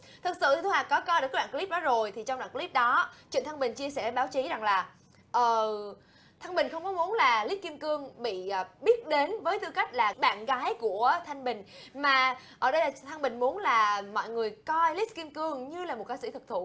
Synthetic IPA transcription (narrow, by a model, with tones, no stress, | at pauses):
t̪ʰɨ˨˩t̚sɨ̰˧˨t̪i˨˩t̪ʰu˧haː˨˩kɔ˨˦kɔ˧jɗkːwa̰ː˧˨˧kli˦˥p̚ɗɔ˨˦zo˨˩jt̪ʰi˨˩t͡ɕɔ˧wŋ͡mɗa̰ː˧˨ŋkli˦˥p̚ɗɔ˨˦t͡ɕwḭ˧˨nt̪ʰa˧ŋɓï˨˩ŋ̟t͡ɕi˧əsɛ˧˩ɓaː˨˦wt͡ɕi˨˦za˨˩ŋlaː˨˩ | ʔəː˨˩ | t̪ʰa˧ŋɓï˨˩ŋ̟xə˧wŋ͡mkɔ˨˦mu˨˦ənlaː˨˩li˦˥t̚ki˧mkɨ˧əŋɓḭ˧˨˩ɓi˦˥ət̚ɗe˨˦nvəː˨˦jt̪ɨ˧ka˦˥jk̟̚laː˨˩ɓa̰ː˧˨nɣaː˨˦jku˧˩ət̪ʰa˧jŋ̟ɓï˨˩ŋ̟maː˨˩ | ʔəː˧˩ɗə˧jlaː˨˩t̪ʰa˧ŋɓï˨˩ŋ̟mu˨˦nlaː˨˩mɔ̰˧˨jŋɨ˨˩əjkɔ˧jli˦˥t̚kːi˧əmkɨ˧əŋɲɨ˧laː˨˩mo˨˩t̚kaː˨˦sḭ˧˩t̪ʰɨ˨˩k̚t̪ʰṵ˧˨